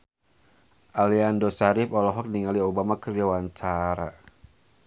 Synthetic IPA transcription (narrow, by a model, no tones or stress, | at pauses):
ʔaliandosaɾifɔlɔɦɔk̚niŋaliobamakərjawaɲt͡ʃaɾa